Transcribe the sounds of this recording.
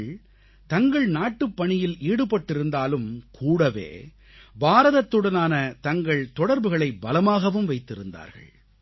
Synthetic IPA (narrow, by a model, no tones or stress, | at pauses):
ɭ | t̪ɐŋɡɐɭnaːʈːɯpːɐɳɪjɪlʔiːɽɯpːɐʈːɪɾɯnd̪aːlɯmkʰuːɽɐʋḛː | baːɾɐðɐt̪ːɯɽɐnaːnɐt̪ɐŋɡɐɭt̪ɔɽɐɾbɯɣɐɭɐɪbɐlɐmaːɣɐʋɯmʋɐɪt̪ːɪɾɯnd̪a̰ːɾɣɐ̰ɭ